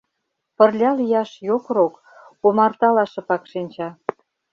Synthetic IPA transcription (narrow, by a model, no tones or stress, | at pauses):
pə̆rlʲɑlijɑʃjokɾok | omɑrt̪ɑlɑʃɤ̆pɑkʃinʲt͡ɕɑ